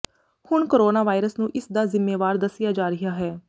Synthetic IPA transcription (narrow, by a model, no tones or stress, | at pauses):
hʊɳkoːɾoːnaːʋaːɪɾəsnũːʔɪsd̪aːzɪmːeːʋaːɾd̪əsɪjaːd͡ʒaːɾɪɦaːɦɛː